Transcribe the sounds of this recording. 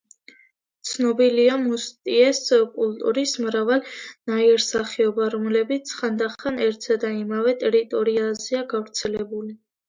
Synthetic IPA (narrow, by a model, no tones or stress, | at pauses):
t̪sʰnɔbiliamust̪ʼiɛskʼult̪ʼuɾismɾavalnaiɾsaχiɔbaɾɔmlɛbit̪sʰχand̪aχanɛɾt̪ʰzad̪aimavɛt̪ʼɛɾit̪ʼɔɾiazɛaɡavɾt̪sʰɛlɛbuli